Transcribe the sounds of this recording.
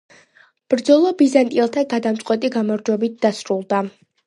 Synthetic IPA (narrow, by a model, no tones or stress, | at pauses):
b̥ɾd̪zɔlˠɔbizant̪ʼilˠt̪ʰaɡad̪amt̪sʼwɛt̪ʼiɡamɔɾd͡ʒwɛbit̪̚d̪asɾulˠd̪a